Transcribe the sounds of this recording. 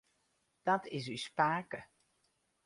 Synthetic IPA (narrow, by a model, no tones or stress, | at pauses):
d̥ɔtʰɪs̬yspaːkə